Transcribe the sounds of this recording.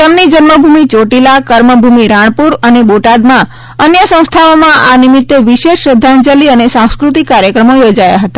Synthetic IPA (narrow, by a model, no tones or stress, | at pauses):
t̪emnid͡ʒənməbʱumit͡ʃoʈilakəɾməbʱumiɾãɳ̃puɾəneboʈad̪mã | ənjəsə̃w̃st̪ʰaomãʔanɪmɪt̪ːeʋiʃeʃɾəd̪ʱːand͡ʒəliənesãw̃skɾut̪ikːaɾjəkɾəmojod͡ʒaja̰ɦət̪ḁ